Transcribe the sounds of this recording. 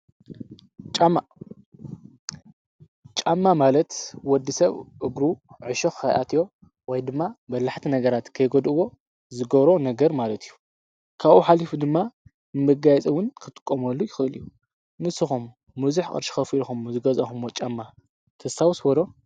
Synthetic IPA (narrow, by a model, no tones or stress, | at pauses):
t͡ʃʼamːa | t͡ʃʼamːamalɐt̪wɔd̪ːisɐβʔɨɡɾuʕɨʃoxxa̰jʔa̰t̪ijo̞ | wɔjd̪ɨmːabɐlːaħt̪ʰinɐɡɐɾat̪kʰɐjɡod̪ɨwo̞ | zɨɡɐβɾo̞nɐɡɐɾmalɐt̪ʰijːu | kʰaβʔuħalifud̪ɨmːa | nɨmɨɡajɛt͡sʼiwʊnkʰɨt̪ʼɨ̥kʼːomɐlːujɪxɨʔɨlijːu | mɨsɨxumː | uzuħkʼɨ̰ɾʃi̥xɐfilxumzɨɡɐzɐxumːot͡ʃʼamːa | t̪ʰɐsawsbɐd̪o̞